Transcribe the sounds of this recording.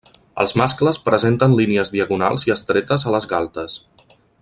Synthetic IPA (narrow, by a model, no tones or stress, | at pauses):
ə̰lˠzmaskləspɾəzent̪ənliniəzðiəɣuna̰lˠziəst̪ɾɛt̪əzələzɣalˠt̪əs